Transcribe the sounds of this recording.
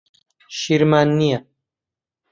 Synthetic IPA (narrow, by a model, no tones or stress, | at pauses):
ʃiɾmaːnːija